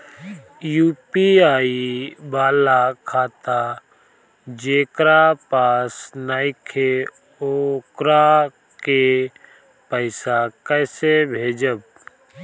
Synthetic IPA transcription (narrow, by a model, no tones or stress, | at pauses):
juːpiaːibaːlakʰaːt̪a | d͡ʒeːkɾapaːsnaːɪkʰe | okɾa | ke | pəɪsakəːsebʱeːd͡ʒəb̚